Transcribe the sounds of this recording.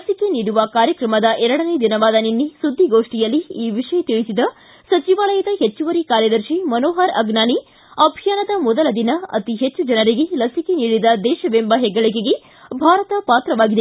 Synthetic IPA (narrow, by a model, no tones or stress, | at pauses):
lɐsike̞niːɽuʋɐkaːɾjɐkɾɐmɐd̪ɐʔɛɾɐɽɐned̪inɐʋaːd̪ɐninːisud̪ʱːiɡoːʂʈijɐlːiiːʋiʂɐjɐt̪iɭisid̪ɐ | sɐt͡ʃiʋaːlɐjɐd̪ɐɦet͡ʃːuʋɐɾikaːɾjɐd̪ɐɾʃimɐnoːɦɐɾɐɡnaːni | ɐbʱijaːnɐd̪ɐmɔd̪ɐlɐd̪inɐɐ̰t̪iɦet͡ʃːud͡ʒɐnɐɾiɡelɐsikeniːɽid̪ɐd̪ɛːʃɐbembɐɦɛɡːɐɭik̬eɡe̞ | bʱaːɾɐt̪ɐpaːt̪ɾɐʋaːɡid̪e